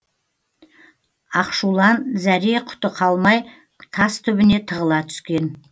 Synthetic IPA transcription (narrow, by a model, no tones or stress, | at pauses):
ɑqʃulˠɑnzæɾeqʰʊ̥t̪əqʰɑlˠmɑj | t̪ʰɑst̪ʰʏbɪne̞t̪ʰəʁəlˠɑt̪ʰʏ̥skʲe̞n